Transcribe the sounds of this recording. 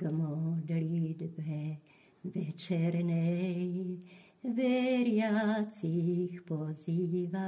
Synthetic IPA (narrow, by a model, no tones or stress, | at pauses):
mɔd̪lid̪bɛ | ʋɛt͡ʃɛɾnɛj | ʋɛɾjat̪t͡s̪ixpɔziʋa